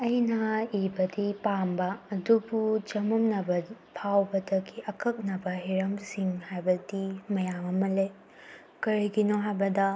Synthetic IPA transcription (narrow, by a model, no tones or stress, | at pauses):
ɐjnɐibɐdipambɐːdubud͡ʒɐmɐmnɐbɐ | pʰawbɐdɐɡiʔɐkʰɐk̚nɐbɐɦiɾɐmsiŋhajbɐdimɐjamɐmɐle | kɐɾiɡinoɦajbɐdɐ